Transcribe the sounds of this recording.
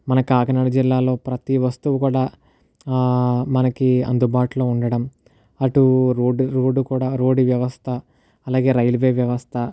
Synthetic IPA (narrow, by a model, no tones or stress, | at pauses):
mɐnɐkaːkɐnɐɽɐd͡ʒilːaːlo̞ːpɾɐt̪iʋɐst̪uʋukuːɽaː | mɐnɐkiɐ̰nd̪ubaːʈulo̞ːuɳɖɐɽɐm | ɐʈuɾoːɖɾoːɖukuːɽaːɾoːɖiʋjɐʋɐst̪ʰɐː | laːɡe̞ːɾɐjlʋeːʋjɐʋɐst̪ʰɐ